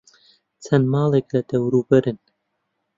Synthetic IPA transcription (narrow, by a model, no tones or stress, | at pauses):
t͡sʰɛnmɑːleklɛd̪ɛwɾuːbɛɾɨn